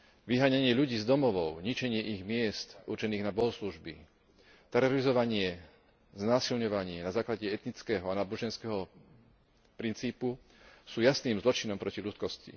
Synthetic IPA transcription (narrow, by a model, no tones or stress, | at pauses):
ʋiɦaːɲaɲɪɛʎuɟiːzd̪ɔmɔʋɔʊɲit͡ʃɛɲɪɛʔiɣmɪɛst̪ṵɾt͡ʃɛniːɣnabɔɦɔsluʒbḭ | t̪ɛɾɔɾizɔʋaɲɪɛ | znaːsilɲɔʋaɲɪɛnazaːklaɟɛɛt̪nit͡skɛːɦɔanaːbɔʒɛnskɛːɦɔ | pɾint͡siːpusuːjasniːmzlɔt͡ʃinɔmpɾɔciʎut͡skɔscḭ